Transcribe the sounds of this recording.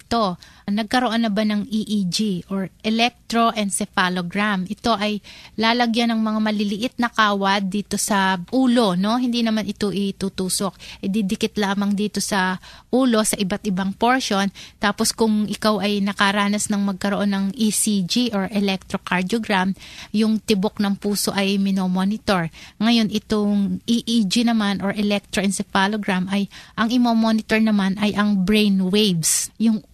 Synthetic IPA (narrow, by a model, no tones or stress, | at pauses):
t̪o̞nɐɡ̚kɐɾo̞ʔo̞nːɐbanɐŋiʔid͡ʒiʔoɹʔɛlɛk̚t̪ɾo̞ʔɛnd̪sɛfaloɡɾamɪt̪o̞ʔɐjlaːlɐɡjanɐŋmɐŋamɐlɪlɪʔɪt̪̚nɐkaːwɐd̪ːiːt̪o̞sɐʔuːlo̞no̞hɪnd̪inɐmanʔɪt̪o̞ʔɪt̪uːt̪uːso̞k̚ʔɪd̪ɪd̪ɪkɪt̪laːmɐŋd̪iːt̪o̞sɐʔuːlo̞sɐʔɪbat̪̚ʔɪbaŋpo̞ɹʃo̞nt̪aːpo̞skʊŋʔɪkawʔɐjnɐkɐɾaːnɐsnɐŋmɐɡ̚kɐɾoʔo̞nːɐŋʔisid͡ʒiʔoɹʔɛlɛk̚t̪ɾo̞kaɹd̪oɡɾamjʊŋt̪ɪbok̚nɐŋpuːso̞ʔɐjmɪnomo̞nɪt̪o̞ɹŋɐjo̞nɪt̪oŋʔiʔid͡ʒinɐmanʔoɹʔɛlɛk̚t̪ɾoʔɛnsɛfaloɡɾamʔɐjʔɐŋʔɪmomo̞nɪt̪o̞ɹnɐmanɐjʔɐŋbɹejnwejbsjʊŋ